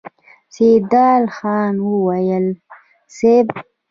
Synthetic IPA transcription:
sed̪ɑːlxɑːnwəwajəl | seb

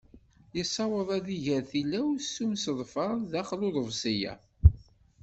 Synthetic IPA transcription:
jəsˤːɑwəðˤæðiʝəɾθilæwsːumsəðˤfəɾˤðæχluðˤəvsˤijæ̰

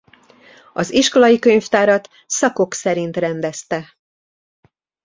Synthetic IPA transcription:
ɒziʃko̞lɒjikø̞ɲft̪aːɾɒt̪ | sɒko̞ksɛɾint̪rɛnd̪ɛst̪ɛ

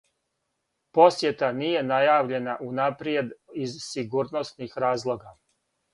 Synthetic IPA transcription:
po̞sje̞t̪anije̞najaːʋʎe̞naʔunapɾie̞d̪izsiɡuːɾno̞snixɾaːzlˠo̞ɡa

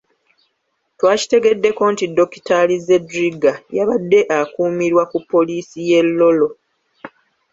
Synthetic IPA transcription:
twaːci̥te̞ɡe̞dːe̞ko̞ntidːo̞ki̥talize̞dɾiɡajaβadːe̞ʔakuːmiɾwakupːo̞liːsije̞lːo̞lo̞

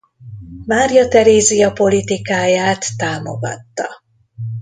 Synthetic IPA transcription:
maːrjɒt̪ɛɾeːzijɒpo̞lit̪ikaːjaːt̪ːaːmo̞̰ɡɒ̰t̪ːɒ̰

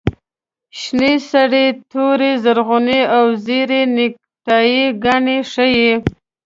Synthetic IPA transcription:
ʃnisaɽet̪oɾezaɾɣʊneawzeɾenɪk̚ | ʈɑjiɡaɳeʂəje

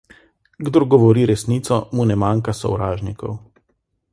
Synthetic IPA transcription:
ɡd̪oɾɡɔʋɔɾiːɾɛsniːt̪sɔmunɛmaːŋkasɔ̰wɾaːʒnikɔw

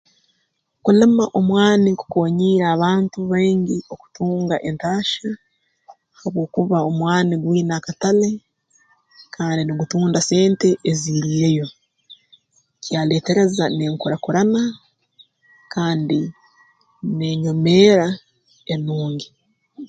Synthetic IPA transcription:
kulemaʔo̞mwaːniku̥ko̞ːɲiːɾaːβaːntuβeːɲɟio̞ku̥tuːŋɡaʔe̞ntaːʃa | haβwo̞ːkuβao̞mwaːniɡwiːnakatale̞ | kʰaːndiniɡutuːndase̞ːnte̞ʔːziɾijejo̞ | cjaːle̞ːte̞ɾe̞zane̞ːŋkuɾakuɾana | kʰaːndi | ne̞ɲo̞me̞ːɾa | enuːɲɡi

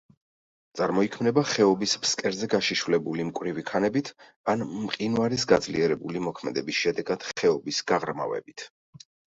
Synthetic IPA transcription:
t̪sʼaɾmɔikʰmnɛbaχɛɔbisbskʼɛɾzɛɡaʃiʃvlɛbulimkʼwɾivikʰanɛbit̪ʰ | anmqʼinwaɾisɡad̪zlḭɛɾɛbulimɔkʰmɛd̪ɛbisʃɛd̪ɛɡad̪̥χɛɔbisɡ̥aʁɾma̰vɛ̰bit̪ʰ

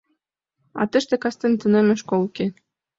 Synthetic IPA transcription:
ɑ̰t̪ə̆ʃt̪ĕkɑst̪ĕnt̪ə̆nemɘ̆ʃkolke

